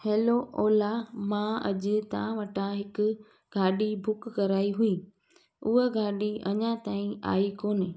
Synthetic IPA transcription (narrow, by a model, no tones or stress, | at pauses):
heːloʔɔːlamãɐʄʊ̆t̪ãʋɐʈʰãɦɪkʊ̆ | ɡʱaːɗibʱʊkkɐɾaːiɦuiː | ʊɦeɡʱaːɗiɐɲãt̪aːĩa̰ːikoːnɪ